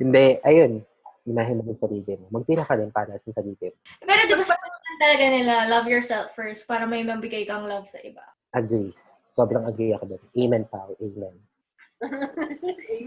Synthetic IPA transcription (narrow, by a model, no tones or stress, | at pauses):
hɪnd̪ɛʔɐjon | ɪnaːɦɪnːɐmɪnsɐɾiːɡ̪ɛmomɐɡ̚p̪iɾɐkɐd̪ɛnpaːɾɐsɐŋk̪ɐdiːt̪ɛm | pɛːɾod̪ɐbɐsɐpɐnɐmɐnt̪ɐlɐɡanɪlalɐvjɔɹsɛlfːɛɹst̪̚paːɾɐmɐjmɐbɪɡajkɐɐŋlɐbsɐ̰ʔɪba̰ | ʔak̚t̪wʊli | sobɾɐŋɐɡ̪̚jɐkod̪onʔejmɐnpawʔejman